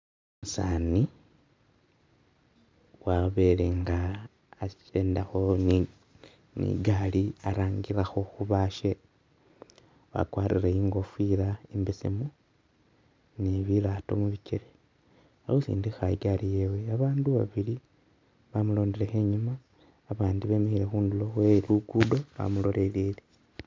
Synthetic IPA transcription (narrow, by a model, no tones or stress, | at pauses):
musaːni | waβe̞ːle̞ŋɡaː | t͡ʃeːndaxon | nḭɡaliaɾaːŋɡiɾaxo̞xuβaːʃe | wa̰kwaːɾḭɾeiːŋɡo̞fwiːɾaimbisḭmu | niβilaːto̞̰muβiceɾe | ausḭːndixaiɡalije̞we̞aβaːnduβa̰βili | βamulo̞ːndele̞xe̞ɲumaː | βaːndiβe̞mixile̞xuːndulo̞xweluɡudo̞βa̰mulo̞le̞lile